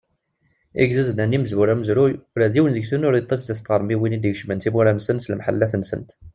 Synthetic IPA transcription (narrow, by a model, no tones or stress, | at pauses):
ḭɡzuznæniməzwuɾæməzɾujʊɾæðiwənðəɡθunʊɾit̪ˤːefzæst̪ˤʁəɾˤmiwinid̪iɡʃmənt̪imuɾænsənsəlmħə̰lːæθnsə̰nt̪